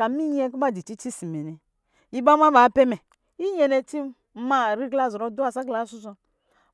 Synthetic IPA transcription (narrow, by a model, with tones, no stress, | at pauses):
ka˨mi˦ɲ˦ɛ˦k̬u˦m˦a˦˨di˨t͡ʃi˦t͡ʃi˦si˨me˨nɛ˨ | i˦ba˦ma˦ba˨˦pɛ˦mɛ˨ | i˦ɲɛ˨nɛ˧ti˦ | ma˦˨ɾi˦ɡla˦˨zɾɔ˨˦du˦a˨sa˦ɡla˨˦su˦s̬ɔ˧˦